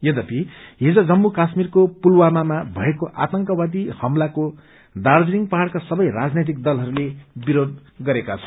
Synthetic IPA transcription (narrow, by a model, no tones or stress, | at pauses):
jʌd̪ʌpiɦid͡zʌd͡zʌmːukasmirkopulwamamabʱʌekoʔat̪ʌŋkʌwad̪ihʌmlako | d̪ard͡ziŋɡpaɦaɽkasʌbʌjrad͡znet̪̬ik̚d̪ʌlɦʌɾulebiɾod̪̚ɡʌɾekat͡sʰʌ̥